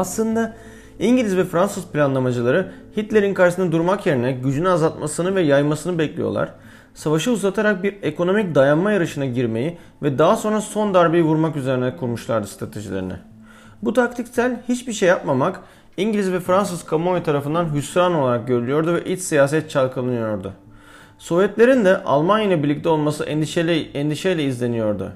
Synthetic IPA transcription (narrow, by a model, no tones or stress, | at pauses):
aslˠɯnd̪a | iɲɟilʲizvɛfɾansɯzplʲanlˠamad͡ʒɯlˠaɾɯ | hit̪lʲe̞ɾinkaɾʃɯsɯnad̪uɾmakje̞ɾinɛɟyd͡ʒynyazalˠt̪masɯnɯvɛjajmasɯnɯbɛclʲḭjo̰lˠa̰ɾ̥ | savaʃɯuzat̪ʰaɾak̚biɾe̞kʰo̞no̞mic̚d̪ajanmajaɾɯʃɯnaɟiɾme̞ji | vɛd̪aɦaso̞nɾaso̞nd̪aɾbijvuɾmakyzeɾinɛkʰuɾmuʃlˠa̰ɾd̪ɯst̪ʰɾa̰t̪ʰeʒilʲeɾḭnɪ̰ | but̪ʰak̚t̪ʰicsælʲhit͡ʃbiɾʃejːap̚mamak | iɲɟlʲizvɛfɾans̬ɯz̥kʰamovit̪ʰaɾafɯnd̪anɦysɾano̞lˠaɾak̚ɟøɾylyjo̞ɾd̪uvɛʔit͡ʃsijaːs̬ɛt̪̚t͡ʃʰalˠkʰalˠɯnɯjo̞ɾd̪ʊ̰ | so̞vjɛt̪lʲe̞ɾind̪ɛʔa̰lˠmanjalˠabiɾlːʲic̚t̪ʰɛo̞lˠmasɯʔɛnd̪iʃɛjlʲɛizlʲe̞nijo̞ɾd̪ʊ̰